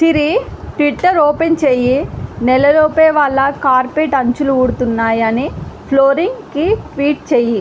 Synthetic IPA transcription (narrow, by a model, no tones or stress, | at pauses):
siɾiʈʋiʈːɐɾoːpent͡ʃeːjinɛlɐloːpɛːʋɐɭːɐkaːɾpeʈɐɲt͡ʃuluuɽut̪unːaːjɐnipʰloːɾiŋɡkiʈʋiːʈ̚t͡ʃeːji